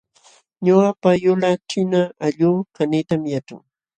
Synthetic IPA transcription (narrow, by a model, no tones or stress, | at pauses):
ɲʊapajʊlat͡ʃɪnaːʎuːkanit̪amjaʈ͡ʂa̰ŋ